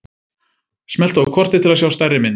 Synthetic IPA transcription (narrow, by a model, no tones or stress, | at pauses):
smɛl̥t̪vakʰɔr̥t̪ɪt̪ʰɪlasjaːwst̪ajrːɪmɪn